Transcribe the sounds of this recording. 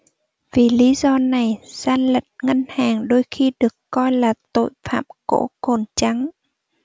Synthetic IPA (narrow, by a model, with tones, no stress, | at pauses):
vi˨˩li˨˦zɔ˧na˨˩jz̥aː˧nlə˨˩t̚ŋə˧nhaː˨˩ŋɗo˧jxi˧ɗɨ˨˩əkːɔ˧jlaː˨˩t̪o̰˧˨jfa̰ː˧˨mko̰˧˥ko˨˩nt͡ɕa˨˦ŋ